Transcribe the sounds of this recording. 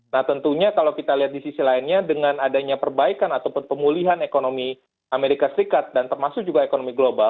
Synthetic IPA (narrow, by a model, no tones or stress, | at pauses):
naht̪ənt̪uɲakalawkit̪aliɦat̪̚disisilaɪnɲadəŋanadaɲapərbaikanat̪awpʊnpəmuliɦanekonomi | ʔameɾikasəɾikat̪̚dant̪ərmasʊk̚d͡ʒuɡaekonomiɡlobal